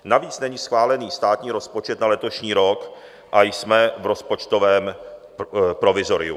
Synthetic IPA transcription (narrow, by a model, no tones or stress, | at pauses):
naviːt͡snɛɲisxvaːlɛniːst̪aːt̪ɲiːɾo̞spo̞t͡ʃɛt̪nalɛt̪o̞ʃɲiːɾo̞k | ʔajsmɛvɾo̞spo̞t͡ʃt̪o̞vɛːm | pɾo̞vɪzo̞ɾɪ̰ṵ